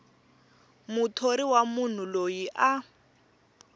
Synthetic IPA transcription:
mutʰoɾiwamun̤ulojiʔa

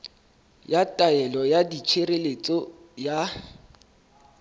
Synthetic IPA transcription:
jatʼaɛlɔjadit͡ʃʰeɾelet͡sʼɔ | ja

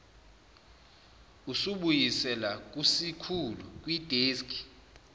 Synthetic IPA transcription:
usuɓujisɛlak̬ʼusikʰuluk̬ʼwid̥ʱeːskʰʼi̥

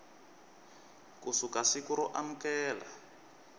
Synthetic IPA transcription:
kusukasikuɾuʔam̩kɛːla̰

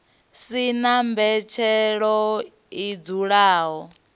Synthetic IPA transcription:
sinambɛt͡ʃʰɛɺɔ | id͡zuɺaːɦɔ

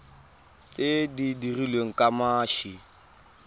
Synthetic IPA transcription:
t͡sʼedidirilweŋ̩kʼamaːʃi

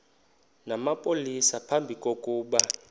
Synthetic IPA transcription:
namapʼolisapʰambʱikʼokʼuːɓa

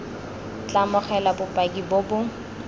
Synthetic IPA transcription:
t͡ɬamʊχɛlabʊpʼakibobʊ

